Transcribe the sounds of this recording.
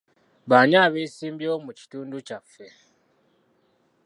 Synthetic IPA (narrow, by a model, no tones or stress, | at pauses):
βaːɲaːβeːsiːmbjomuci̥tuːnducafːe̞